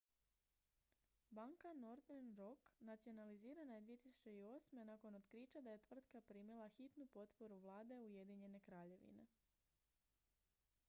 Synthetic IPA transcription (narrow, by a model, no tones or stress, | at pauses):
baŋkanoɾt̪eɾnɾo̞knat̪sio̞naliziːɾanajed̪ʋije̞t̪isu̥t͡ɕe̞io̞ːsme̞nako̞not̪kɾit͡ʃad̪aje̞t̪ʋr̩t̪kapɾimilˠaxit̪nupo̞t̪po̞ɾuʋlˠaːd̪e̞uje̞d̪iɲe̞ne̞kɾaːʎe̞ʋḭne̞̰